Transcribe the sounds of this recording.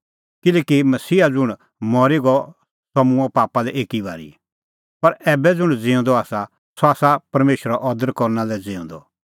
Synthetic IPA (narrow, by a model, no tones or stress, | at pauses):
kɪlɛːkimɐsiːad͡zʊɽ̃ | mɔɾiɡɔ | sɐmũɛpaːpalɛʔeːkiba̰ːɾḭ | pɐɾɛːbɛd͡zʊɽ̃d͡zɪ̃ʊ̃nd̪ɔaːsa | sɔaːsapɐɾmeːʃɾaʔɔd̪əɾkɔɾnãlɛd͡zɪ̃ːʊ̃nd̪ɔ̰